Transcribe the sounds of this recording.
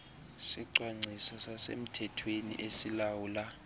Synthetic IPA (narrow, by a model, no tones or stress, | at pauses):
siǀwaŋ͡ǀʱisasasḛm̩tʰɛtʰwenḭʔesilawuːla